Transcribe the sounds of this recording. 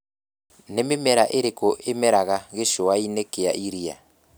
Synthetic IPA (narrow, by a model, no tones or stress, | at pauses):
nememɛɾaʔeɾekoʔemɛɾaɣaɣeʃoainekea̰ʔiɾia̰